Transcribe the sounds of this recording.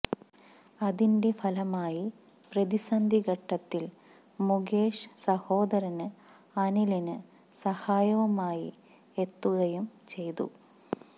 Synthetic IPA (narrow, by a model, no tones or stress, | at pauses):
ɐðinde̞fɐlɐmaːji | prɐðisɐnd̪ʱiɣɐʈːɐt̪ːil | muɡeːʂsɐho̞ːd̪ɐɾɐnɨ | ɐnilinɨ | sɐhaːjɐʋɐmaːjḭ | e̞t̪ːuɣɐjumt͡ɕe̞jt̪ṵ